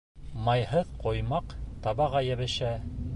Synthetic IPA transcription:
mɑjhɤðqŏjmɑqt̪ɑβɑʁɑjæβɘ̆ʃæ

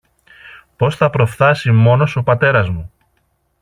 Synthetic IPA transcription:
po̞sθɐpɾo̞fθɐsimo̞no̞so̞pɐt̪e̞ɾɐzmu

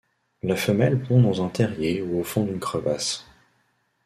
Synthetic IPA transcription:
lafəmɛlpɔ̃d̪ɑ̃zɛ̃t̪ʰɛʁjeuofɔ̃d̪ynkχəvas

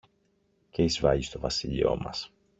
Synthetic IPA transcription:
ceizvɐʝist̪o̞vɐsiʎḭo̞mɐs

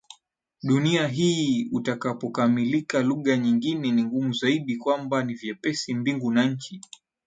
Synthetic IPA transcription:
ɗuniaɦiːutakapɔkamilikaluɠaɲiŋɡinɛniŋɡumuzaiɗikwambanivjɛpɛsimbiŋɡunaɲ̩t͡ʃi

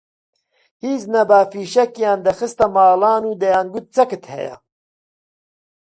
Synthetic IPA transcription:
hiːznɐbaːfiːʃɐkjaːnd̪ɐxɨst̪ɐmɑːlɑːnuːd̪ɐjaːnɡut̪̚t͡sɐkɨt̪hɛ̰ja̰

